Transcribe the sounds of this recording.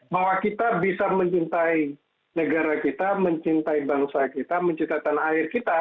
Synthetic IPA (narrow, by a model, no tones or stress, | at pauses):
baɦwakit̪abisaməɲt͡ʃint̪ai | nəɡaɾakit̪aməɲt͡ʃint̪aibaŋsakit̪aməɲt͡ʃint̪at̪anaɪrkit̪a